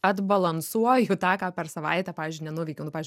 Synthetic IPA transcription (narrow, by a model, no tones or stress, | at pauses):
ɐd̪bɐlˠɐnsuɔjʊt̪ɑːkɑːpʲɛɾsɐʋɐ̰ɪt̪ʲɛpɑːʋʲiːzʲd͡ʒʲɪnʲɛnuːʋʲɛɪkʲoʊnʊpɑːʋʲɪzʲd͡ʒʲ